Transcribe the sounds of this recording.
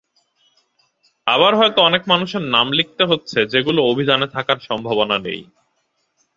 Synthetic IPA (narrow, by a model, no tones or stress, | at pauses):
aβaɾɦɔet̪oɔnekmanuʃeɾnamlik̚t̪eɦotːɕʰed͡ʑeɡuloobʱidanet̪ʰakaɾʃɔmbʱabonanḛj